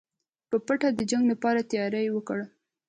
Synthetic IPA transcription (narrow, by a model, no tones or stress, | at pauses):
pəpəʈad̪əd͡ʒaŋɡlapɑɾat̪jɑɾajwəkəɽ